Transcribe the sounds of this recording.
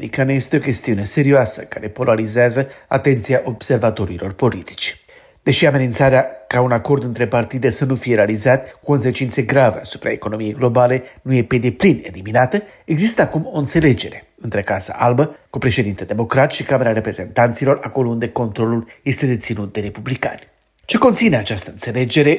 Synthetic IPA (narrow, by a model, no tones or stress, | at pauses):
ɾikaneje̞st̪eo̞kʲe̞st̪iune̞se̞ɾioasəkaɾe̞po̞laɾizeazəa̰t̪e̞nt̪siaʔo̞b̥se̞rvat̪o̞ɾilo̞rpo̞lit̪i̥t͡ʃ | d̪̥e̞ʃiame̞nint̪saɾeakaunako̞rd̪ɨnt̪ɾe̞part̪id̪e̞sənufije̞ɾealizat̪kuko̞ns̬e̞t͡ʃint̪se̞ɡɾaveasu̥pɾa̰eko̞no̞mije̞jɡlo̞bale̞nuje̞pe̞d̪e̞pline̞̰liminat̪ə | e̞ɡzist̪əakumo̞ɨnt̪se̞le̞d͡ʒe̞ɾe̞ | ɨnt̪ɾekasə̰ʔalbəkupɾe̞ʃe̞d̪int̪ed̪e̞mo̞kɾat̪ʃikame̞ɾaɾe̞pɾe̞ze̞nt̪ant̪silo̞rako̞lo̞und̪e̞ko̞nt̪ɾo̞lulje̞st̪e̞d̪e̞t̪sinut̪̚d̪e̞ɾepublika̰nʲ | t͡ʃe̞kont̪sine̞at͡ʃast̪əɨnt̪se̞le̞d͡ʒe̞ɾe̞